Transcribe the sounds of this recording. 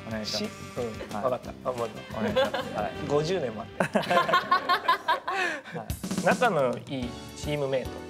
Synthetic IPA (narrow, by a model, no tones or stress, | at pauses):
nɕi | ɯ̟̃βakat̪ːaamat̪ːa | ɡo̞ʑɨːnẽ̞mːoat̪ːe | nakanoiː | t͡ɕiːmɯ̟me̞ːt̪o